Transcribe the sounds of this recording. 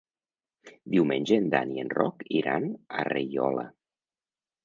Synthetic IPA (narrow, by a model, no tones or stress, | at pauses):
d̪iwmenʲd͡ʒend̪anienrɔkiɾanarejɔla̰